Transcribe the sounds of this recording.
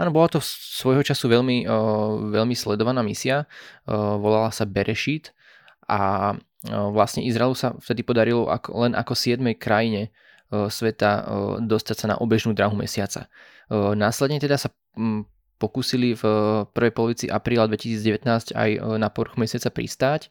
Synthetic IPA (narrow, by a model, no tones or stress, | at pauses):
ʔaːnɔbɔlat̪ɔsʋɔjɦɔt͡ʃasuʋɛʎmi | ʋɛʎmislɛd̪ɔʋanaːmisia | ʋɔlalasabɛɾʔɛʃit̪ | ʔa | ʋlasɲɛʔizɾaɛlusaft̪ɛd̪ipɔd̪aɾilɔʔa̰klɛna̰kɔsɪɛd̪mɛjkɾajiɲɛ | sʋɛt̪ad̪ɔst̪acsana̰ʔɔbɛʒnuːd̪ɾaːɦumɛ̰sɪat͡sa̰ | naːslɛd̪ɲɛt̪ɛd̪asa | pɔkuːsilifpr̩ʋɛjpɔlɔʋit͡siʔapɾiːlad̪ʋɛcisiːd͡zɟɛʋɛt̪naːsca̰jnapɔɾxumɛsɪat͡sapɾḭst̪aːc